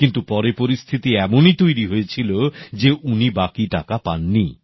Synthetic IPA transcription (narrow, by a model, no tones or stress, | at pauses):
kint̪upɔɾepoɾist̪ʰit̪iɛmonit̪ojɾiɦojet͡ɕʰilod͡ʑeʔunibakiʈakapanːi